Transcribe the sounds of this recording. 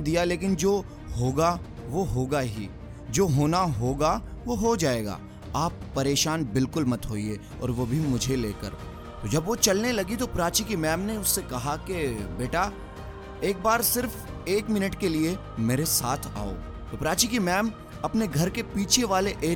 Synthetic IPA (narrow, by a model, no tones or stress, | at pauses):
d̪ijaleːk̬ɪnd͡ʒoː | ɦoːɡa | ʋoɦoːɡaɦḭ | d͡ʒoːɦoːnaɦoːɡa | ʋoɦod͡ʒaːeːɡa̰ː | aːpːɐɾeːʃaːnbɪlkʊlmɐt̪ɦoːie | ɔ̰ːɾʋobʱimʊd͡ʒʱeleːkə̰ɾ | t̪od͡ʒɐbʋot͡ʃɐlnelɐɡit̪opɾaːt͡ʃikimɛːmneʊsːekɐɦakebeːʈa | eːk̚baːɾsɪɾfeːkmɪnəʈkelie | meːɾesaːt̪ʰa̰ːo̰ː | t̪oːpɾaːt͡ʃikimɛːm | ɐpneɡʱɐɾkepiːt͡ʃʰeʋaːleʔeː